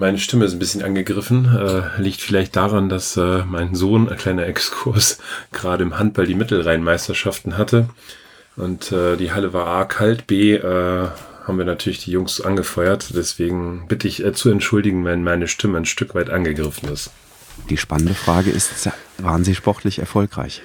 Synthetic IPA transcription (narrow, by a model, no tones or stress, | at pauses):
maɪnəʃtɪməɪstn̩bɪsçənʔa̰nɡəɡʁɪfn̩ɛːliːktfɪlaɪçt̚d̥aːʁandasɛːmaɪnzoːnaɪnkʰl̥aɪnɐɛkskʰʊɐsɡ̥əʁaːɾəɪmhant̚b̥aldiːmɪtl̩ʁaɪənmaɪstɐʃaftn̩ɦatʰə | ʔʊntʔɛːd̥iːɦaləvaːɐʔaːkʰaltb̥eːʔɛːhaːbmviːɐnatʰyːɐlɪçd̥iːjʊŋsʔanɡəfɔʏɐtd̥ɛsv̥eːɡŋ̩b̥ɪtəɪçɛːt͡suɛntʃʊldɪɡŋ̩vɛnmaɪnəʃtʰɪməanʃtʏkv̥aɪtʔanɡəɡʁɪfn̩ɪst | d̥iːʃpanəndəfʁ̥aːɡəʔɪ̰stvaːʁənziːʃpɔʁtʰlɪçɛ̰ɐfɔlkʁ̥a̰ɪç